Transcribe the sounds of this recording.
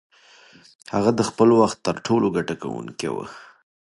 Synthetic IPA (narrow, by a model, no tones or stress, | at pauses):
haɣad̪əxpəlwaxt̪ːəɾʈʰoloɡaʈaka̰wṵŋkḛwə̰